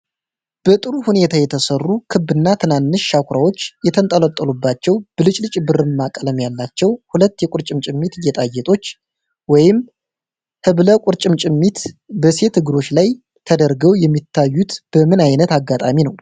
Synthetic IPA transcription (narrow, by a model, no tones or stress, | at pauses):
b̥ət̪ʼɨɾuhune̞t̪ʰajɛt̪ʰəsərːukʰɨbːɨnːat̪ʰɨnanːɨʃːakʰʷɾawo̞t͡ʃːjɛt̪ʰənt̪ʼələt̪ʼːəlubːat͡ʃːɛwb̥ɨlɨt͡ʃʼlɨt͡ʃʼbɨɾɨnmakʼələmjalːat͡ʃːɛwhulət̪ːjɛkʷʼʊɾt͡ʃʼɪmt͡ʃʼɪmːit̪jɛt̪ʼajːɛt̪ʼo̞t͡ʃː | wɔjɪm | hɨβləkʷʼʊɾt͡ʃʼɪmt͡ʃʼɪmːit̪bəse̞t̪ʰɨɡɨɾo̞t͡ʃːlaj | t̪ʰəd̪əɾɡəwjɛmːit̪ʰːajːut̪b̥əmɨnajnət̪aɡːat̪ʼaminəw